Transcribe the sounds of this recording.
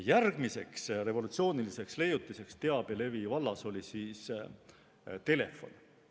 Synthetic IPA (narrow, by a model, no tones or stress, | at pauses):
jærɡ̥mise̞ksre̞vo̞lut̪sio̞ːnilise̞ksle̞jut̪ːˑise̞kst̪e̞ɑb̥ele̞vivɑlːɑso̞lʲisiːs | t̪e̞le̞̰fːo̞̰n